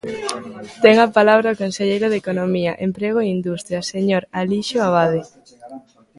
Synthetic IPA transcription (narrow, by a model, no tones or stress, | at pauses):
t̪ɛŋapalaβɾaokonseʎejɾoðekonomiɐʔempɾeɣ̞oeind̪ust̪ɾjɐseɲoɾaliʃoaβaðe